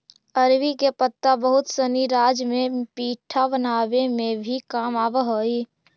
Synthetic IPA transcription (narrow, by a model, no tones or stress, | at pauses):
əɾwikepət̪ːabəɦʊt̪səniɾaːd͡ʒmẽpiːʈʰabənaːʋemẽbʱikaːmaːʋəɦoi